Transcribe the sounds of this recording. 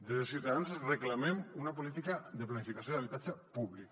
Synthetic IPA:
d̪elsiut̪aðanzreklamemunapolit̪ikaðəplanifikasjoðaβit̪ad͡ʒapuβlik̚

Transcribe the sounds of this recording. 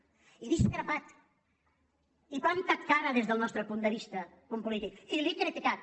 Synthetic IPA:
iðisk̪ɾapat̪ | ipant̪at̪kaɾəðezðəlˠnɔst̪ɾəpund̪əβist̪ə | kumpulit̪ik̚filikɾit̪ikat̪̚

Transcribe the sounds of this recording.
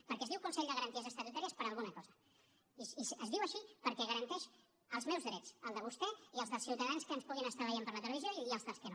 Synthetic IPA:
pəɾkɛziwkunsɛʎd̪əɣəɾənt̪iəzəst̪ət̪ut̪aɾiəspəɾəlˠɣunəkɔzə | iisəzðiwəʃipəɾkɛɣəɾənt̪ɛʃ | əlˠzmɛwzðɾɛt͡səlˠd̪əβ̞ust̪ɛiəlˠzðəlsiwt̪əðanskənspuɣinəst̪aβəʎampəɾlət̪ələβizjoiiəlˠzðəlˠskəno

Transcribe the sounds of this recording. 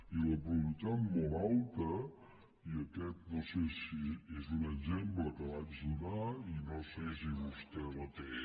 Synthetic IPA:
iləpɾuβit̪at̪mɔlˠalˠt̪ə | iəkɛt̪̚nosesiezunəʒembləkəβad͡ʒdunainosesiβust̪ɛlət̪e

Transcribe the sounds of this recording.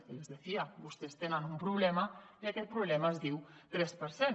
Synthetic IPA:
kelezðeθiabust̪est̪enanumpɾuβlɛmaiakɛt̪̚pɾuβlɛmaezd̪iwt̪ɾɛspeɾsen

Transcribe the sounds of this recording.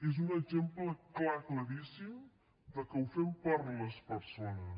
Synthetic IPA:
ezunəɡzempləklakləɾisim | d̪əkəwfɛmpaɾðələspəɾsonəs

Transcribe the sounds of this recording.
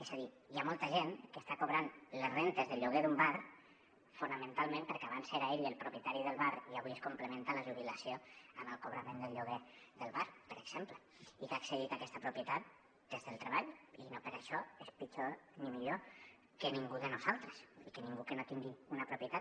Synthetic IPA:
ezaði | iamolˠt̪aʒenkəst̪akoβɾanlezrent̪əzðəʎuɣeðumbar | funəmə̃nt̪alˠmẽmpəɾkeaβanseɾaeɾielˠpɾupjət̪aɾiðəlˠβaɾiaβieskumpləmẽnt̪aləʒuβ̞ilasioəməlˠkoβ̞ɾəmẽnd̪əlʎuɣ̞eðəlˠβaɾpəɾəɡ̥z̥emplə | ikaksəðit̪akɛst̪apɾupjət̪at̪̚ | d̪̥ezðəlˠt̪ɾeβ̞aʎinopəɾaʃɔespit͡ʃonimiʎo | kəniŋɡuðənuzalˠt̪ɾəsikəniŋɡukənot̪iŋɡiunəpɾupjət̪at̪

